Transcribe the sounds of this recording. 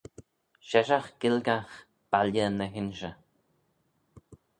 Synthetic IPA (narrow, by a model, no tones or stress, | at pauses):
ʃɛʃaχɡ̥ɪlɡaχ | b̥aljənːəɦɪnʃə